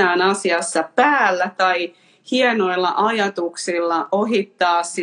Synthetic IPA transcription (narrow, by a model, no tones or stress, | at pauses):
æːnɑsiɑsːɑpæːlːæt̪ɑi | hienoilːɑ̰ʔɑjɑt̪uksilːɑoɦit̪ːɑːsːi